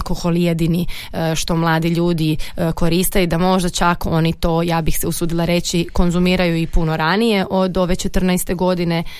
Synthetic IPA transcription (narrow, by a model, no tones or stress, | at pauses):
koxo̞lˠjed̪ini | ʃt̪o̞mlˠaːd̪iʎuːd̪iko̞ɾist̪ajud̪amo̞ʒd̪at͡ʃako̞nit̪o̞ːjaːbixseusuːd̪ilˠaɾe̞t͡ɕiko̞nzumiːɾajuipuno̞ɾanije̞ʔo̞d̪o̞ʋe̞t͡ʃet̪r̩nɛjst̪e̞ɡo̞d̪ine